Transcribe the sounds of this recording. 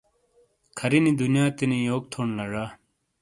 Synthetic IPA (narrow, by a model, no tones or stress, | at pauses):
kʰɐɾinid̪unjaːt̪inijoːk̚t̪ʰoːɳlɐʐaː